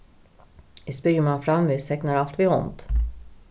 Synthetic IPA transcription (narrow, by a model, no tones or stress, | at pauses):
ɪspyːəmanfɾamviːst̪ʰɛknaɾalt̪vɪɔ̰nt̪